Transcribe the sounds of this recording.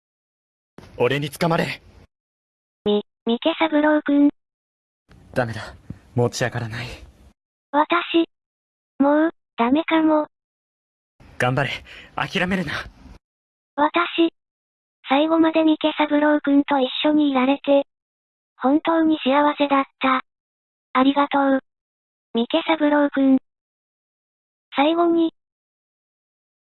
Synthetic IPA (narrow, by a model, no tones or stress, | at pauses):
oɾe̞ɲ̟it͡sɨ̥kamaɾe | mʲi | mʲike̞saɡɯ̟ɾo̞ɯkɯ̟̃n | d̪̥ame̞d̪amoːt͡ɕiakaɾanai | βat̪aɕi | mo | d̪̥ame̞kamo | ɡ̥ãmbaɾea̰kʲiɾame̞ɾɯ̟na | βat̪aɕi | saiɡo̞mad̪e̞mʲike̞sabɯ̟ɾo̞ːkɯ̟̃nt̪o̞iɕːo̞ɲ̟iːɾaɾe̞t̪e̞ | hõ̞nt̪o̞ːɲ̟iɕiaβase̞d̪at̪ːa | aɾʲiɡat̪o̞ | mʲike̞sabɯ̟ɾoɯkɯ̟̃n | saiɡo̞ɲ̟i